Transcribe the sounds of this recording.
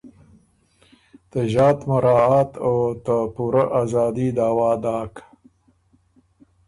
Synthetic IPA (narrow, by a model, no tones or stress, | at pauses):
t̪əʒɑːt̪maɾɑːaːt̪owt̪əpuɾaʔaːzɑːd̪id̪aːwɑːd̪ɑːk